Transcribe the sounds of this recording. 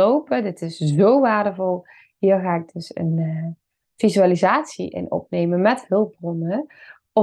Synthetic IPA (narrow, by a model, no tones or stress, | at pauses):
owpədɪtɪszowʋaːɹdəvɔlˠ | hiːɹɣaːɪɡ̚dɵsə̰n | v̥izyalizaːtsiʔɪ̰nɔ̰p̚nejmənmɛthɵlˠpb̚brɔnə | ɔ